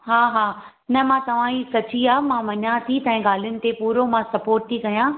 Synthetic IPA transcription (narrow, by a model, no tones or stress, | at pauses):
ɦaːɦaː | nɐmãt̪ɐʋ̤ãːisɐt͡ɕiaːmãʋɐɲãt̪ʰit̪ɐ̃ːɦẽɡaːl̤ijʊnɪ̆t̪epuːɾomãsɐpoːɾʈ̚t̪ʰikɐjãː